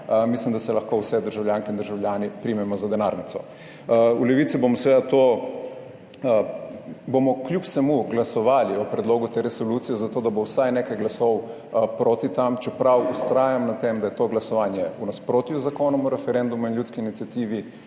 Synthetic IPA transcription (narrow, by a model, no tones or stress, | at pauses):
mislimd̪asɛlɐxkoːwsɛd̪əɾʒawljaŋkɛind̪əɾʒawljaːnipɾimɛmɔzad̪ɛnaːɾnit̪sɔ | ulɛʋit̪sibomɔsɛʋeːd̪at̪oː | bomɔklʲjupsɛmuɡlasɔʋaːliɔpɾɛd̪loːɡut̪eɾɛsoluːt̪sijɛzat̪oːd̪abowsajnekajɡlasɔw | pɾoːt̪it̪amt͡ʃɛpɾawust̪ɾaːjamnat̪emd̪ajɛt̪oːɡlasɔʋaːnjɛunaspɾoːt̪juzakoːnɔmɔɾɛfɛɾɛnd̪umuinljut̪skiinit̪sijat̪iːʋi